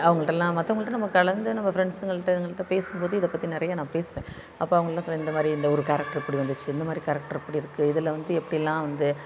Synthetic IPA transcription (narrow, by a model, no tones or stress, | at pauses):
ɐʋɐŋɡɐɭʈːɐlːãːmɐt̪ːɐːɐŋɐɭɯʈːɐnɐmːɐkɐɭɐnd̪ɯnɐmːɐfɾɛɳɖsɯŋɡɐɭɯʈːɐðɐŋɡɐɭt̪ːãːpeːsɯmpoːðɯɪðɐpːɐt̪ːinɪɾɐjaːnãːpeːsɯʋẽ | ɐpːoːɐʋɐŋɡɐɭlːãslːɐɪnd̪ɐmaːd̪ɾiɪnd̪ɐɔɾɯkaːɾɛk̚ʈɐɾɛpːɐɽiʋɐnd̪ɯt͡ʃːɯɪnd̪ɐmaːd̪ɾikaːɾɛk̚ʈɐɾɛpːɐɽiɪɾɯkːɯɪðɪlɐʋɐnd̪ɯɛpːɐɽɪjɛlːãːʋɐnd̪ɯ